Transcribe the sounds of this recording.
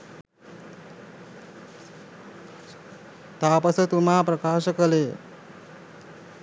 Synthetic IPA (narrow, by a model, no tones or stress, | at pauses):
t̪aːpɐsɐt̪umaːpɾɐkaːʃɐkɐleː